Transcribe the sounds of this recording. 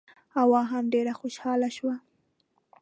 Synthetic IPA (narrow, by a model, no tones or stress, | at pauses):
awɑɦamɖeɾaxoʃɑlaʃwa